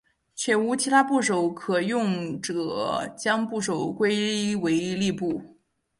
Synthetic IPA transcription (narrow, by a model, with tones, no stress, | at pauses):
t͡ɕʰɥɛ˨˩u˧˥t͡ɕʰi˧˥t̪ʰa˥pu˥˩ʂ̬o˨˧˩ʊkʰɤ˨˩jʊ˥˩˧ŋʈ͡ʂt͡ɕjɑ˥ŋpu˥˩ʂ̬o˨˩ʊkwe˥ɪlwe˧˥ɪli˥˧pu˥˩